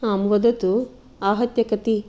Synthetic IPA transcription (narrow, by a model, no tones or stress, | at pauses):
aːmʋɐd̪ɐt̪u | aːɦɐt̪jɐkɐt̪i